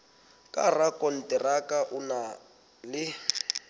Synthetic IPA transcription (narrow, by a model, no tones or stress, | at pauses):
kʼa̰rakʼɔn̩tʼɪrakʼaʔʊna | lɪ